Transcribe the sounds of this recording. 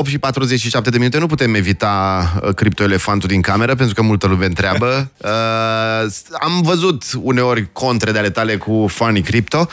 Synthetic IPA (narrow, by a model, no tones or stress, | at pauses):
opt̪ʃipat̪ɾuzet͡ʃʲʃiʃap̚t̪ed̪eminut̪enuput̪e̞me̞vit̪akɾip̚t̪o̞ele̞fant̪ud̪iŋkame̞ɾəpent̪ɾukəmult̪əlumeɨnt̪ɾeabəə | a̰mvəzut̪une̞o̞rʲkʰo̞nt̪ɾed̪eale̞t̪ale̞kufanikɾip̚t̪o̞